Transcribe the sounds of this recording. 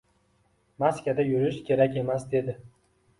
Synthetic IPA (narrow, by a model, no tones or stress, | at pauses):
maskʲad̪ajʊɾɪʃkʲʰe̞ɾakʲe̞masd̪e̞d̪ɪ